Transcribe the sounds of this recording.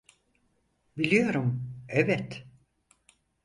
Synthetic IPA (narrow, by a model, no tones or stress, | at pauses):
bilʲijo̞ɾumɛvɛt̪